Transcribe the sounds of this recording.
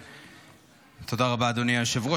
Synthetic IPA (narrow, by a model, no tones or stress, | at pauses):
t̪odaʁabad̪oniaʃevʁo